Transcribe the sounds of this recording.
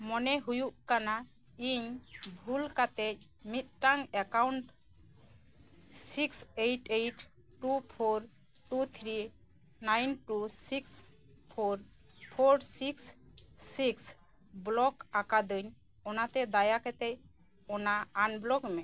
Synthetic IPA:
mɔnɛɦujuʔkana | iɲbʱulkat̪ɛc̚ | mit̪̚ʈaŋɛkawɳʈ | siksejʈejʈ | ʈupʰoɾ | ʈut̪ʰɾi | najnʈusiks | pʰoɾ | pʰoɾsiksː | iks | blɔkakad̪ɯɲ | ɔnat̪ɛd̪ajakɛt̪ɛc̚ | ɔnaːnblɔkmɛ

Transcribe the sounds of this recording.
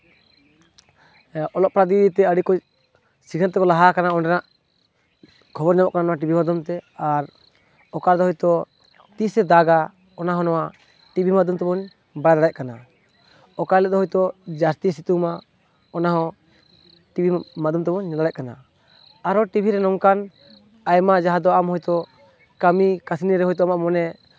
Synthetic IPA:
ɔlɔʔ̚pɾad̪id̪it̪ɛəɽikɔc | sikʰɛnt̪ɛkɔlaɦakanaɔnɖɛnaʔ | kʰɔbɔɾɲabɔʔkananɔwaʈ̬ibʱimad̪umt̪ɛaɾ | ɔkaɾd̪ɔɦɔjt̪ɔ | t̪isɛd̪aɡa | ɔnaɦɔ̃nɔwa | ʈibʱimad̪ʱumt̪ɛbɔɲ | bajad̪aɽac̚kana | ɔkaɾlɛd̪ɔɦɔjt̪ɔd͡ʒast̪isit̪uma | ɔnaɦɔ̃ | ʈibʱimad̪umt̪ɛbɔɲːɛlaac̚kana | aɾɔʈibʱiɾɛnɔŋkan | ajmad͡ʒaɦad̪ɔamɦɔjt̪ɔ | kamikasiniɾɛɦɔjt̪̬ɔamaʔmɔnɛ

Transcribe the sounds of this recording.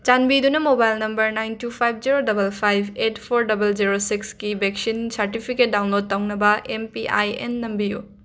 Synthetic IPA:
t͡ʃanbidunɐmobajlnɐmbɐɾnajntʰupʰajb̚ʰʱd͡ʒiɾodɐbɐlpʰajbetpʰoɾdɐbɐld͡ʒiɾosikskibeksinsɐɾtipʰiket̚dawnlod̚tɐwnɐbɐʔempiʔa̰jḛnːɐmbiju

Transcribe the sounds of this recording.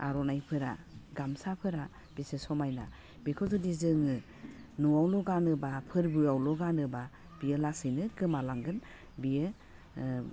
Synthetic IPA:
a̰ɾɔnajpʰɯɾa̰ɡamsapʰɯɾa | b̥isesɔmajna | bikʰɔzɯdizɯŋɯ | nuawlɔɡanɯbapʰɯɾbɯawlɔɡanɯba | b̥ijɯlasɯnɯkɯmalaŋɡɯn | bijɯ

